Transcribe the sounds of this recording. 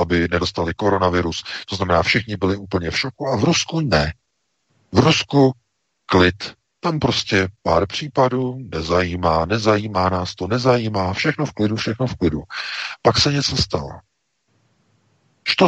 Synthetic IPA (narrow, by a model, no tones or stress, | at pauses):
abɪnɛdo̞st̪alɪko̞ɾo̞navɪɾust̪oznamɛnaːfʃɪxɲɪbɪlɪuːpl̩ɲɛfʃokuʔavɾuskunɛ | vɾusku | klɪt̪ | t̪ampɾo̞scɛpaːɾpr̝̥iːpaduːnɛzajiːmaːnɛzajiːmaːnaːst̪onɛzajiːmaːfʃɛxno̞fklɪdufʃɛxnofklɪdupaksɛɲɛt͡sost̪alo̰ | ʃt̪o